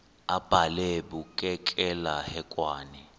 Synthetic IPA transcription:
ab̥ʱalɛɓukʼɛkʼɛlahɛkʼwaːnɛ

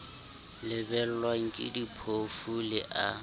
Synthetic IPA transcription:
lɪbɛl̩lwaŋ̩kʼɪ̰dipʰofulɪʔa

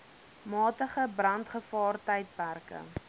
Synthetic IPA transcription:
mɑːtəχəbrɐntχəfɑːrtɛjt̚pærkə̰

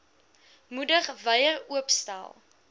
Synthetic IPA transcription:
mudəχvəjəruəpstæ̰lˠ

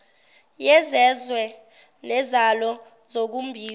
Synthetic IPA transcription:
jɛzɛzwɛ | nɛzalɔ | z̥ok̬umbʱiː

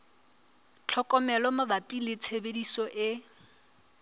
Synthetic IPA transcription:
t͡ɬʰɔkʼɔmɛlɔmabapʼilet͡sʰebedisɔʔɪ

